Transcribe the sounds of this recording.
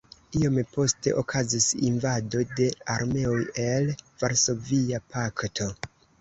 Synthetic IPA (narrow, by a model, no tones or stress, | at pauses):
iompo̞ste̞̰ʔokʰazisinvado̞de̞aɾme̞oje̞lvaɾso̞viapʰaktʰo̞